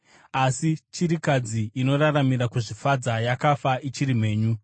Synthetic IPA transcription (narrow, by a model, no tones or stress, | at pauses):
asit͡ʃiɾikad͡ziːno̞raramiɾakuʐifad͡zajakafaʔit͡ʃiɾim̤e̞ːɲu